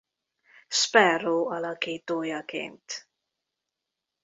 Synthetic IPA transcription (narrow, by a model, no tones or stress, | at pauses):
spɛroːɒlɒkiːt̪oːjɒkḛːnt̪